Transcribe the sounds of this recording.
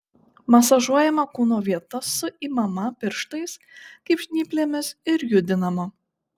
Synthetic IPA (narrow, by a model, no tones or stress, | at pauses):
mɐsɐʒuɔjɛmɐkuːnoːʋʲiɛt̪ɐsʊiːmɐmɐpʲɪɾʃt̪ɐɪskɐɪpʃʲnʲiːpʲlʲeːmʲɪsɪɾjʊd̪ʲɪnɐmɐ